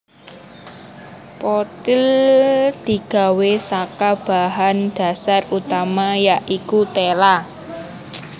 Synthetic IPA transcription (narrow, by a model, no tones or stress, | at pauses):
pot̪ɪld̪̥i̤ɡ̥a̤wesakab̥a̤ɦanɖ̥a̤sarut̪amajaʔikut̪ela